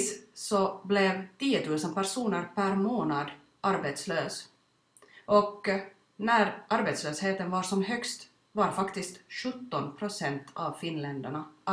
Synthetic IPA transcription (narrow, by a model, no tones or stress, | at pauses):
ssɔblɛvt̪iːʊt̪ʰʉːsənpæʂuːnəɾpʰæɾmoːnad̪ | ʔaɾbɛt̪sløːs | ʔɔk | næɾʔaɾbɛt̪sløːsheːt̪ənvaɾʂɔmɦœkst̪ | vaɾfakt̪ɪst̪ɧɵt̪ːɔnpʰɾʊsɛnt̪ʰavfɪnlɛnd̪æɳa